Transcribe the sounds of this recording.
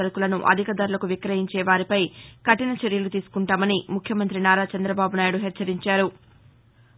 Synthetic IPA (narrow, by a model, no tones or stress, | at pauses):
ɐɾukulɐnuʔɐ̰d̪ʱikɐd̪ɐɾulɐkuʋikɾɐɦiɲt͡ʃɛːʋaːɾipɐjkɐʈinɐt͡ʃeɾjɐlut̪iːsu̥kuɳʈaːmɐnimukʰːjɐmɐnt̪ɾinaːɾaːt͡ʃɐnd̪ɾɐbaːbunaːjuɽuɦɛt͡ʃt͡ʃːɐɾiɲt͡ʃaːɾu